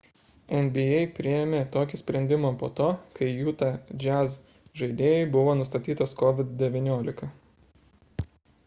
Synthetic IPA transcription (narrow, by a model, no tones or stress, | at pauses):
ɛnʲbʲɪɛɪpʲɾʲɪjɛmʲeːt̪oːkʲisʲpʲɾʲɛnʲd̪ʲɪmoːpoːt̪oːkɐɪjuːt̪ɐd͡ʒʲæz | ʒɐɪd̪ʲeːjɛɪbʊʋoːnʊst̪ɐt̪ʲiːt̪ɐskɔʋʲɪt̪d̪ʲɛʋʲɪnʲoːlʲɪkɐ